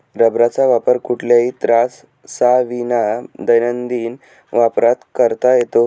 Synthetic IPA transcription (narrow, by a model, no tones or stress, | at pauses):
ɾəbɾat͡saʋapəɾkuʈʰljait̪ɾasː | aʋinad̪əjnənd̪iːn | ʋapɾat̪kəɾt̪ajet̪o